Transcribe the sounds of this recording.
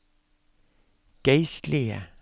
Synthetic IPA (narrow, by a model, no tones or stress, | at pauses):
ɡ̥æɪst̪lɪə̰